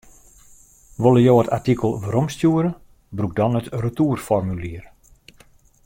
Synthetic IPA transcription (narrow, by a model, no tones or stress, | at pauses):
ʋolˠəjoːətʰatikəlˠvəɾɔmstjuəɾə | bruk̚dɔnətrətuərfɔrmyliər